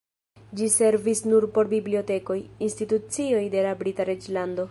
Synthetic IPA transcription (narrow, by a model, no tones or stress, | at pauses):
d͡ʒise̞ɾvisnuɾpo̞ɾbiblio̞te̞ko̞jinstitut͡sio̞jde̞labɾitaɾe̞d͡ʒlando̞